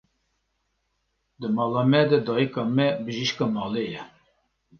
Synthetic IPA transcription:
d̪ɨmɑːlɑmɛd̪ɛd̪ɑːjikɑmɛbəʒiʃkɑmɑːlejɛ

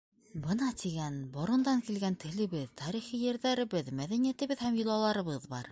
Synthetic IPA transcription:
bɤnɑt̪ʰiɡænbŏɾɤ̆nd̪ɑŋkilɡænt̪ʰɘ̆lɘ̆βɘðt̪ʰɑɾiχijɘ̆ɾðæɾɘ̆bɘðmæðænijæt̪ɘ̆βɘðhæmjŏlˠɑlˠɑɾɤ̆βɤðbɑ̰ɾ

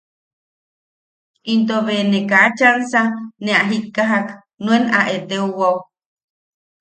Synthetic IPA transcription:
ʔint̪̬oβenekat͡ʃansanẽaɦikːaɦak | nũenaʔet̪euwaw

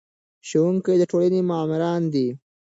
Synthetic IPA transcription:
ʃowuŋkəjd̪əʈolanimɑːmɪɾɑːnd̪i

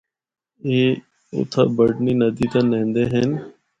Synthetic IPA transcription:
eː | ʊ̰t̪ʰa̰ːbəɖniːnəd̪iːt̪ãːnẽːnd̪eːɦen

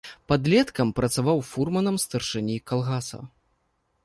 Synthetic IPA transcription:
pɐd̪lʲɛt̪kɐmpɾɐt̪savawfurmɐnɐmst̪ɐrʂɨnʲikalˠɣasɐ̰

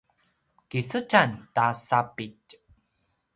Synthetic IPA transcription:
kisət͡ɕantasapit

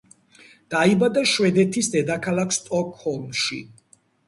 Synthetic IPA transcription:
d̪̥aibad̪aʃwɛd̪ɛt̪ʰisd̪ɛd̪akʰalˠakʰst̪ʼɔkʰhɔlˠmʃḭ

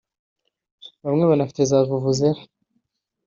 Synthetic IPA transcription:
βamŋeβanafi̥tezavuvuzeɾ

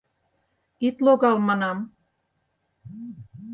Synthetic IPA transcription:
it̪loɣɑlmɑnɑm

